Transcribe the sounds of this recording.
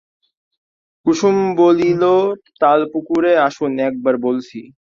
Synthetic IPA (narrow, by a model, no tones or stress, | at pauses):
kuʃumbolilot̪alpukuɾeaʃunɛk̚baɾbolt͡ɕʰi